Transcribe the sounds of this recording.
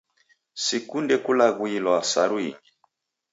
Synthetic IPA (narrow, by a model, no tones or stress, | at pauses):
sikundɛkulaɣwilwasaɾwḭŋɡi